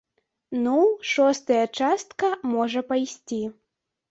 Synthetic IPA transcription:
nuʂɔst̪ɐjɐt͡ʂast̪kɐmɔʐɐpajsʲt͡sʲi

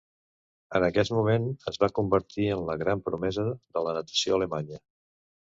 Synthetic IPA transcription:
ənəkɛt̪mumenəzβakumbəɾt̪iənləɣɾampɾumɛzəðələnət̪ə̥sioələmaɲə

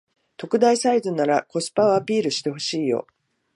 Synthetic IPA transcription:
t̪o̞kɯ̟d̪aisaizɨnːaɾako̞sɨ̥paoapʲiːɾɯ̟ɕi̥t̪e̞hɦo̞ɕiːjo̞̰

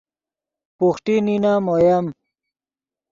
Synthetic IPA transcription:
puxʈininamojam

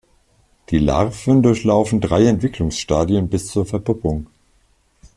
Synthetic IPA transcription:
d̥iːla̰ʁfəndʊɐçlaʊfn̩dʁaɪɛntv̥ɪklʊŋsʃtaːdjənbɪst͡suːɐfɛɐpʊpʊŋ

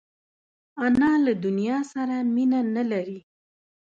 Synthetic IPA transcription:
anɑlad̪ʊnijɑsaɾaminanalaɾi

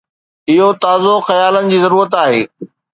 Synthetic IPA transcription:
ɪɦot̪aːzoxɐjaːlənɪ̆d͡ʑiːzɐɾuːɾət̪aːɦeː

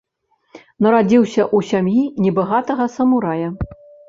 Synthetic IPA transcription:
nɐɾad͡zʲiwsʲɐʔusʲamjinʲɛbaɣat̪ɐɣɐsɐmuɾajɐ

